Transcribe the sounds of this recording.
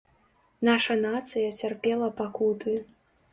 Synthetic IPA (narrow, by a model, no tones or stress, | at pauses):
naʂɐnat̪sɨjɐt͡sʲarpʲɛlˠɐpakut̪ɨ